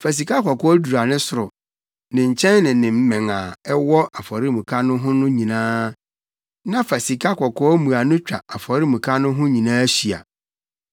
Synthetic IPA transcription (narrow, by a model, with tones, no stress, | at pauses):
fæ˨s̬i˨ka˦kɔ˨kʰɔ˦du˨ɾa˨nɪ̃˦sʊ˨ɾʊ˨ | nɪ̃˨ɲ̩˨t͡ɕʰɛ̃˦nːɪ̃˨nɪ̃˨m̩˦mɛ̃˨ŋa˨ɛ˦wɔ˦a˨fɔ˨ɾɪ˦mũ˨kʰa˦nʊ̃˦ɦʊ̃˦nʊ̃˦ɲĩ˨nãː˦ | nã˦fæ˨si˨kʰa˦kʰɔ˨kʰɔː˦mũ˨a˨nʊ̃˦t͡ɕᶣa̰˨a˨fɔ˨ɾɪ˦mũ˨kʰa˦nʊ̃˦ɦʊ̃˦ɲĩ˨nãː˦æ˦ɕi˨a̰˨